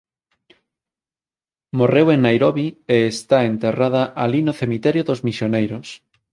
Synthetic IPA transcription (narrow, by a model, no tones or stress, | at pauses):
moreweŋnajɾoβieest̪aent̪eraðɐʔalinoθemit̪ɛɾjoðozmisjonejɾos